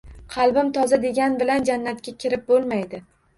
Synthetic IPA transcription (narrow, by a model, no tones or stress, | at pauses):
qʰɑlˠbɪmt̪ʰɒzad̪e̞ɡʲanbɪland͡ʒanːat̪̚kʲakʲʰɪɾɪp̚bolˠmajd̪ɪ